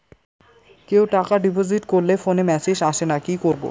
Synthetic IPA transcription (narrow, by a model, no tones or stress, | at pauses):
kewʈakaɖipoziʈkoɾlefonemɛsed͡ʑaʃenakikoɾbo̰